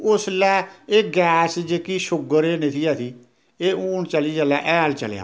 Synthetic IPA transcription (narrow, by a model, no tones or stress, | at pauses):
ʊslɛːeːɡɛːsd͡ʒeːkiːʃʊɡəɾeːnɪt̪ʰiːaːt̪iː | eːuːnt͡ʃəliːd͡ʒaːlaːʔɛːlt͡ʃə̰lja̰ː